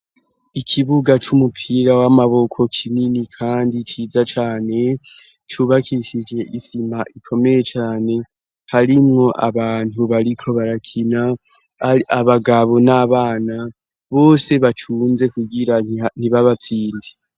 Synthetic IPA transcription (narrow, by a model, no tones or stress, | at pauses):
ikʰiβuɡat͡ʃumupʰiɾawamaβo̞kʰo̞kʰininikʰaːndit͡ʃiːd͡zat͡ʃaːne̞ | t͡ʃuβakʰiʃid͡ʒe̞ʔisimaʔikʰo̞me̞je̞t͡ʃaːne̞ | haɾimŋo̞ʔa̰βaːn̥huβaɾikʰo̞βaɾakʰina | aβaɡaβo̞naβaːna | βo̞ːse̞βatʰuːnze̞kuɡiɾan̥iβaβat͡siːndi